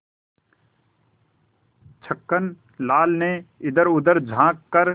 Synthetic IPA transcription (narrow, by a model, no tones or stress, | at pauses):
t͡ʃʰəkːən | laːlneɪd̪əɾʊd̪əɾd͡ʒʱãːkːəɾ